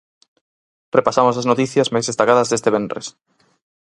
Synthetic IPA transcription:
repasamosɐznot̪iθjɐzmajzðest̪akaðɐzðest̪eβenrḛs

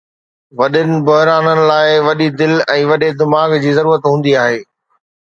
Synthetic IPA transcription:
ʋɐɗɪnɪ̆bɐɦɾaːnənɪ̆laːɪʋɐɗid̪ɪlɛ̃ːʋɐɗed̪ɪmaːɡd͡ʑiːzɐɾuːɾət̪ɦũːn̆d̪iaːɦeː

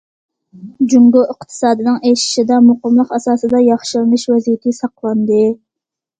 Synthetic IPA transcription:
d͡ʒuŋɡoəqt̪ʰɨ̥sɑːd̪ɨnɨŋeʃɪ̥ʃid̪ɑmoqəmlˠəqɑsɑːsɨd̪ɑjɑχʃɨlmɨʃwɛzijɪt̪ʰɪsɑqlˠɑnd̪ɨ

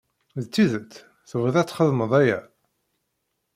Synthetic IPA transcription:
ðt͡sːiðət͡sː | θəvəðæt͡sːχəðˤməðˤæjæ̰

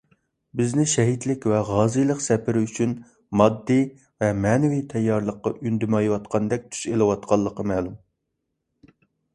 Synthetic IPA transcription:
bɪznɪʃɛɦit̪lɪkʲvɛʁɑːzɨjlˠəqsɛpʰɪɾɪyt͡ʃʰyn | mɑd̪ːi | vɛmɛnɪvit̪ʰɛjːɑɾlˠəqːɑʔynd̪ymɑjwɑt̪qʰɑnd̪ɛk̚ʲt̪ʰy̥ʃelɨwɑt̪̚qʰɑlˠːəqɑmɛːlˠum

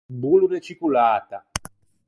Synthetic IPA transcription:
buluɾet͡ʃikulaːt̪a

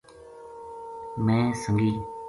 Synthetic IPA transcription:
mɛ̃ːsəŋɡi

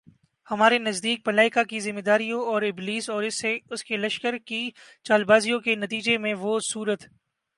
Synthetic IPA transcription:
hɐmaːɾenɐzd̪iːk̚pɐlaːɪkakizɪmːed̪aːɾijõɔːɾɪbliːsɔːɾɪsːeʊskelɐʃkəɾkit͡ʃaːlbaːzijõkenɐt̪iːd͡ʒemẽʋosuːɾət̪

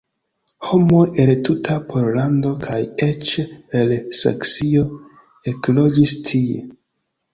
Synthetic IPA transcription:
ho̞moʔeltutʰapʰoɾlando̞kʰajet͡ʃelsḛksio̞ | eklo̞d͡ʒistʰiḛ

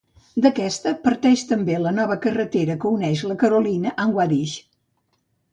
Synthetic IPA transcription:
d̪əkɛst̪əpəɾt̪ɛʃt̪əmbelənɔβəkərət̪eɾəkəunɛʃləkəɾulinəʔəŋɡwaɾiʃ

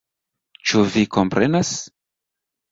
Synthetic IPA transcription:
t͡ʃuviko̞mpɾenas

